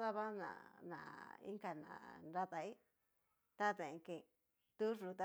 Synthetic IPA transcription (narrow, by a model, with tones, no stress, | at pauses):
ða˦βa˦nã̰˨nã̰˨ḭ˦ŋɡa˧nã̰˨nɾa˦t̪a˧i˦ | t̪a˦t̪ẽ˨ŋkẽ˧˨ | t̪u˦ʐu˧t̪a˦